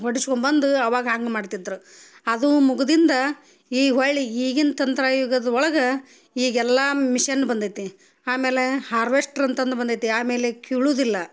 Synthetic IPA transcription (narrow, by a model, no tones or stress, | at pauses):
ɦoɽiskombɐnd̪uɐʋaːɡɐɦaːŋɡemaːɖt̪id̪ɾu | ɐd̪umuɡud̪ind̪ɐ | iːɦoɭɭiiːɡint̪ɐnt̪ɾaːjuːɡɐd̪ɐɔɭɐɡɐ | iːɡɛlːamiʂɐnːubɐnd̪it̪ːi | aːme̞ːle̞haːɾʋesʈɾɐnt̪ɐnd̪ubɐnd̪it̪ːiaːme̞ːlekuːɭuːd̪ilːɐ